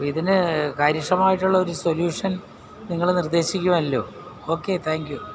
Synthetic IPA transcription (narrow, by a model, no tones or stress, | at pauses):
iðinɨkɐɾiʂɐmaːjiʈːuɭːɐo̞ɾuso̞ljuːʂɐn | niŋːɐɭnird̪e̞ːɕikʲːuʋɐmɐlːo̞̰ː | o̞ːkːe̞t̪ʰaːŋkju